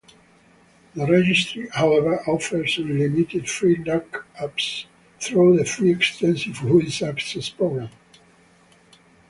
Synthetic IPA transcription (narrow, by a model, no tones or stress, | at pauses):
ðəɹɛd͡ʒɪstɹihawɛvə˞ʔɔfə˞zəlɪmit̪ɪdfɹilakaps | θɹuðəfɹiɛkstɛ̃nsivhulsaksɛspɹoɡɹãm